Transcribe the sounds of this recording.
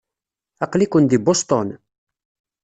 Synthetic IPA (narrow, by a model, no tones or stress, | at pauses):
ɑqlikʷənd̪ibost̪ˤon